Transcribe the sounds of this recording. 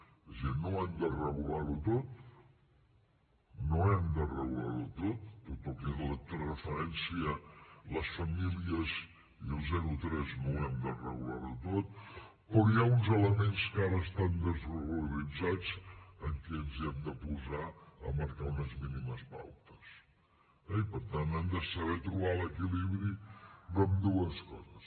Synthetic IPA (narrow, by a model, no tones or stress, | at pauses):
ezinoɛmd̪ərəɣulaɾut̪ot̪̚ | noɛmd̪ərəɣulaɾut̪ot̪̚ːot̪ɔkɛðələt̪rəfəɾɛnsiələsfəmiliəz | iəlˠzɛɾut̪ɾɛznoɛmd̪ərəɣulaɾut̪ot̪̚ | pɔjaunzələmenskaɾəːst̪and̪əzβəɣləɾid͡zad͡zəŋkɛənziɛmd̪əpuzaə̰məɾkaunəzminiməspa̰wt̪ə̥s | ɛipəɾt̪anɛmd̪əsəβɛt̪ɾuβaləkiliβɾiromd̪uəskɔ̰zəs